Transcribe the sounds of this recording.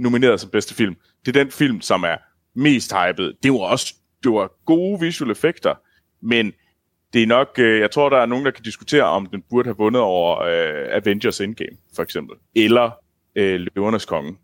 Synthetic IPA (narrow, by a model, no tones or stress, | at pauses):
no̝mine̝̰ːɐðˠsɒ̽mb̥esd̥əfil̰m | d̥e̝æɐd̥enfil̰msɒ̽mæɐ | me̝̰ːsd̥hɑ̈ɪb̥ð̩ˠd̥e̝ɒs | d̥e̝ʋɑɡ̥o̝ːʋisuelefeɡ̥d̥ɐ | men | d̥e̝æɐnɒ̽ɡ̥øjɑ̈ɪt͡sʰʁo̝ɐ̰d̥ɑ̈æɐno̝ːŋn̩d̥kʰæd̥isɡ̥u̥t͡sʰe̝̰ːɐʔɒ̽md̥enb̥uɐɾ̥əhæʋɔ̽nəð̞̩ˠɒʊ̰ɐøæʋend̥ɐsenɡ̥eːmfɒ̽eɡ̥semb̥l̩elɐ | øløʊɐnəskʰɒ̽ŋə